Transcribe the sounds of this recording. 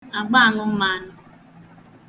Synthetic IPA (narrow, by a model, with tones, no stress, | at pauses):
a˨ɡ͡ba˦a˨ŋʊ˦m̩˦ma˨˦nʊ˨